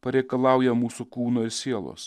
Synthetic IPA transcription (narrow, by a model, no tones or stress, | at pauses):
pɐɾʲɛɪkɐlˠɑˑʊjɛmuːsʊkuːnoːɪɾsʲiɛlˠo̰ːs